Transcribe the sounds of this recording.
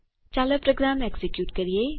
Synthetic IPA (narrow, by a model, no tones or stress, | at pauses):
t͡ʃaːləpɾoɡɾaːmeɡsikjuːʈkɐɾije